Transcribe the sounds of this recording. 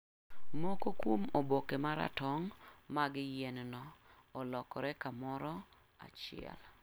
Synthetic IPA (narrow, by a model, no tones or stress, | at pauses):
mɔkokwomobokemaɾa̰tɔŋmaɡɪjɛnnɔ | ɔlɔkɔɾɛkamɔɾɔ | a̰t͡ʃɪɛ̰l